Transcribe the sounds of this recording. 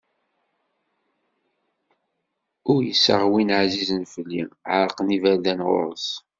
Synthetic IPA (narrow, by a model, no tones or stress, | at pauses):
ʊɾjəsə̰ʁwinʕzizənfəlːḭʕəɾˤəqnivæðænʁʊ̰ɾˤəs